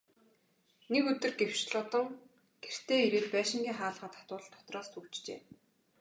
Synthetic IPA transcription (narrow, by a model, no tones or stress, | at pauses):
nekɵt̪ɵ̆rɡew̥t͡ɕɮʊt̪ɞ̆ŋ | ɡ̥er̥t̪eːiɾeːt̪̚pæːʃɪ̆ŋɡʲiːŋχaːɮʁə̆ːt̪ʰḁt̪ʊːɮt̪ʰːɔ̥t̪rɔːst̪ʰuw̥t͡ɕt͡ɕḛː